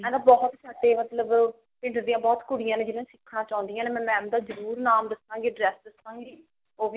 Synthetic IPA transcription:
ɛ̃ːnãbɔːt̪sʰaʈːeːmət̪ləb | pɪɳʈd̪iːjãːbɔːt̪kʊɽɪjãːnẽːd͡ʒɪnãːsɪkʰːnãːt͡ʃãːʊ̃nd̪ijãːneːmɛ̃ːmɛ̃ːmd̪aːzəɾuːɾnaːmd̪əsãːŋɡeːɖɾɛːsd̪əst̪ãːɡiː | oːbiː

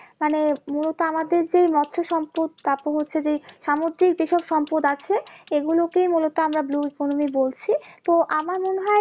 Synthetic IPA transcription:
manemulot̪oamad̪eɾd͡ʑejmɔtːɕʰoʃɔmpod̪̚d̪apoɦotːɕʰed͡ʑejʃamod̪ɾikd͡ʑeʃɔbʃɔmpod̪at͡ɕʰeeɡulokejmulot̪oamɾabluikonomibolt͡ɕʰit̪oʔamaɾmonɦɔe

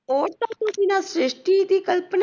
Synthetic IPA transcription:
oːʈat̪õkinasɾɪʂʈit̪ikəlpən

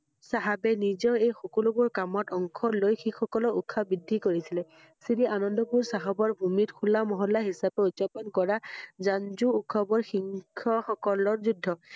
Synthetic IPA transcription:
saɦabɛnizɔʊejxɔkɔlubuɹkamɔtɔŋkʰɔlojxixɔkɔlɔukʰːabɹidʱːikoɹisilɛ | siɾiʔanɔndɔbuɹsaɦabɔɹbʱumitkʰulːamɔɦɔlːaɦisapɛutːapɔnkɔɹazanzuːkʰɔbɔɹxiŋkʰɔxɔkɔlɔɹzudʱːɔ

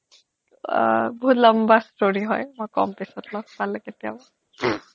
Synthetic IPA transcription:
bɔɦut̪lɔmbastoɹiɦɔjmɔjkɔ̰mpesɔtlɔkpalɛket̪iabɔ

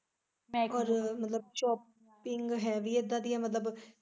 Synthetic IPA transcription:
mɔːɾmət̪ləb̚ʃɔːp | ɪŋɡɦɛːʋiːeːd̪ãːd̪iːɛ̃ːmət̪ləb

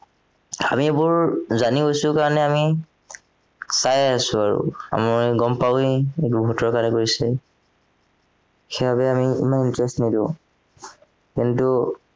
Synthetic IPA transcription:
a̰miebʊɹzaniɦojsʊkaɹɔnɛami | sajasʊaɹṵa̰maɹɡɔmpaeetubʱutɔɹkaɹnɛkoɹisɛ | xebʱabɛamiḭmanintɹɛstnidĩʊ̃ | kintu

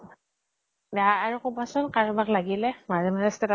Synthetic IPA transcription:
daːɹukɔbasɔnkaɹubaklaɡilɛmazɛmazɛstɛta

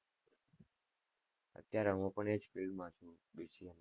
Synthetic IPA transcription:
ə̰t̪jaɾɛɦũpəɳed͡ʒfɪlmãʃũ | biʃiən

